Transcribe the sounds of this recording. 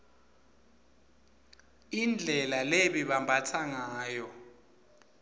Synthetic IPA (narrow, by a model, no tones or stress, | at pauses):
ind͡ɮʱɛlaleɓiɓambʱatʰaŋaːjɔ